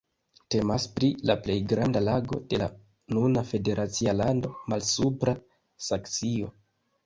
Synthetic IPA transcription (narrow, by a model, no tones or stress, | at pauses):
te̞maspɾilaple̞jɡɾandalaɡo̞̰de̞la̰ | nunafe̞de̞ɾʔat͡sialando̞malsupɾa | sakt͡sio̞